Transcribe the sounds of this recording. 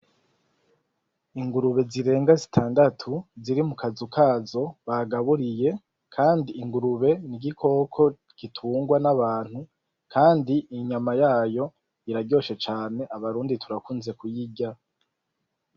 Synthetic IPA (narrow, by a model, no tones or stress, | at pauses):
iŋɡuɾuβe̞ziɾe̞ːŋɡazitʰaːndatʰuziɾimukʰazukʰaːzo̞βaɡaβuɾije̞ | kʰaːndiːŋɡuɾuβe̞niɟikʰo̞kʰo̞ | ɡ̥itʰuːŋɡwanaβaːn̥hu | kʰaːndiʔiɲamajaːjo̞ | iɾaɟo̞ːʃe̞t͡ʃaːne̞ʔaβaɾuːnditʰuɾakuːnze̞kujiɟa